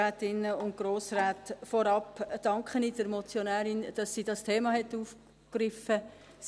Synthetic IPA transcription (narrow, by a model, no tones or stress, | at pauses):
aːtɪnəʊnt̚ɡ̥ɾoːsraːtfɔɾɑpd̥ɑŋkχənidəɾmɔt͡sjonæːɾɪnd̥ɑsːiːdɑstʰeːmɑɦɛtːuːf | krɪfə | s